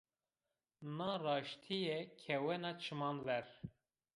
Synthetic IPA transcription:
nɑːrɑːʃt̪ʰijɛkʰɛwɛnɑːt͡ʃʰɨmɑːnvɛɾ

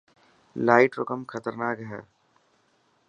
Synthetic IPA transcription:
laːɪʈɾokəmkʰɐt̪əɾnaːkɦɛː

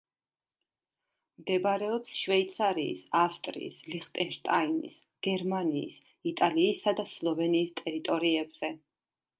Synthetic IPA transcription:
md̪ɛbaɾɛɔpsʃvɛit̪sʰaɾḭːsast̪ʼɾḭːsliχt̪ʼɛnʃt̪ʼainḭs | ɡ̥ɛɾmanḭːs | it̪ʼaliːsad̪aslˠɔvɛniːst̪ʼɛɾit̪ʼɔɾiɛbz̥ɛ

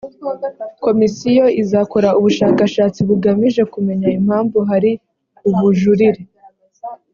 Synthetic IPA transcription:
ko̞misijo̞izako̞ɾauβuʃaːkaʃaːt͡siβuɡamiʒe̞kume̞ɲaim̥haːɱvuɦaɾi | uβuʒuɾiɾe

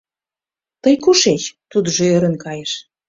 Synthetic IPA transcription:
t̪əjkuʃet͡ɕt̪ud̪əʒoøɾənkɑjeʃ

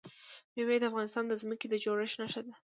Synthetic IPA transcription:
mewajid̪əafɣɑnɪst̪ɑnd̪əzməked̪əd͡ʒoɾɪʃnaʃad̪a

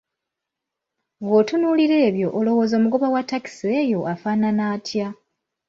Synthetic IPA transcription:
βwo̞tunuːliɾe̞ːβjo̞ʔːlo̞wo̞ːzo̞ːmuɡo̞βawatːaki̥seːjo̞ʔafaːnanaːtja

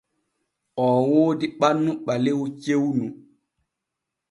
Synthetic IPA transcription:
ʔɔːwoːdiɓanːuɓalewut͡ʃewnu

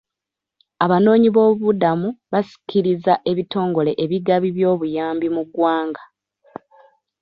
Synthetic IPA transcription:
aβano̞ːɲiβo̞ːβudamuβasi̥cʰiɾizaʔe̞βito̞ːŋɡo̞le̞ʔeβiɡaβiβjo̞ːβujaːmbimuɡwaːŋɡa

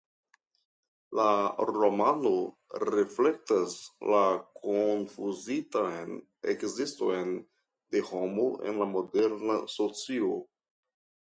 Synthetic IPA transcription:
laɾo̞mano̞ | ɾefle̞k̚taslakʰonfuzitajn | ḛkzisto̞jn | de̞ho̞moe̞̰nlamo̞de̞ɾnaso̞t͡sio

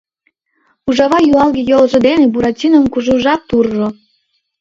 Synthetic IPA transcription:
uʒɑβɑjuɑlɣejolʒĕd̪enebuɾɑtʲinəmkuʒuʒɑk̚t̪urʒo

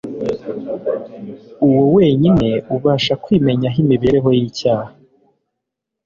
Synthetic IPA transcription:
uwowe̞ːɲine̞uβaːʃakwiːme̞ɲaɦimiβeɾe̞ɦo̞jiːcaːha

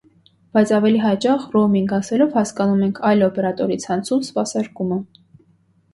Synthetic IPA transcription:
b̥ɑjt͡sʰɑvɛliɦɑt͡ʃɑχrɔmiŋɡɑsɛlɔvhɑskɑnumɛŋkʰɑjlɔpɛɾɑt̪ɔɾit͡sʰhɑnt͡sʰunspɑsɑɾkumə

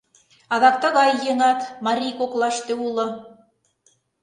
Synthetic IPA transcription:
ɑðɑk̚t̪ɤ̆ɣɑjːɤ̆nɑt̪mɑɾʲijkoklˠɑʃt̪eulˠɤ̆

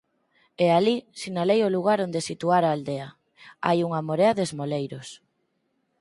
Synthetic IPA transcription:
ealisinalejoluɣ̞aɾond̪esit̪uaɾaːld̪eɐ | a̰juŋamoɾeɐðezmolejɾos

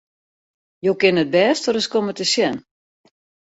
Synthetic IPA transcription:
joːkɪnət̚bɛːstəɾəskomətəsjɛn

